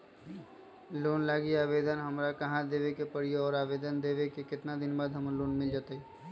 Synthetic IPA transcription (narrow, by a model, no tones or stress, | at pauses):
loːnlaːɡiaːʋeːd̪ənɦɐmɾakɐɦãd̪eːʋekepəɽieɔːɾaːʋeːd̪ənd̪eːʋekekɪt̪nad̪ɪnbaːd̪ɦəmloːnmɪld͡ʒaːt̪eɦɛː